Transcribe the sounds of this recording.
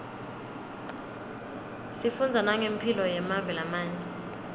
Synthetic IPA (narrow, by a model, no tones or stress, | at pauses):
sifund͡zʱanaŋempʰilɔjɛmavɛlamaːɲɛ